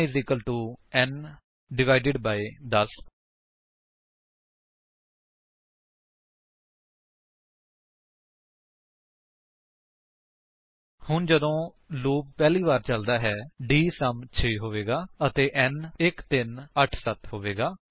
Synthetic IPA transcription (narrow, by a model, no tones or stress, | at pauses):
izɪkəlʈuːɛn | ɖɪʋaːɪɖɪɖbaːed̪əs | hʊnd͡ʒəd̪õː | loːb̚pɛːliːʋaːɾt͡ʃəld̪aːɦɛːɖiːsəmt͡ʃʰeːɦoːʋeːɡaːət̪eːʔɛːnɪkt̪ɪnəʈʰsət̪ɦoːʋeːɡaː